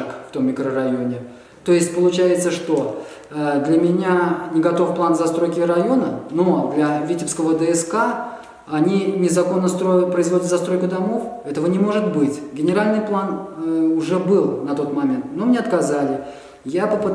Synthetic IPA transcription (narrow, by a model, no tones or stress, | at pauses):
ɨkft̪o̞mːʲɪkɾərɐjo̞nʲɪ | t̪o̞jɪsʲtʲpəlˠʊt͡ɕæjɪt̪səʂt̪o̞ | d̪lʲəmʲɪnʲanʲɪɡɐt̪o̞fplˠanzɐst̪ɾojkʲɪɾɐjo̞nəno̞d̪lʲɐvʲitʲɪpskəvəd̪əɛska | ɐnʲinʲɪzɐko̞nːəst̪ɾopɾəɪzvo̞dʲɪt̪zɐst̪ɾo̞jkʊd̪ɐmo̞fɛt̪əvənʲɪmo̞ʐɨt̪̚bɨtʲɡʲɪnʲɪɾalʲnɨjplˠanʊʐɛbɨlˠnɐt̪o̞t̪mɐmʲe̞nt̪no̞mnʲeɐt̪kɐzalʲɪ | japəpɨ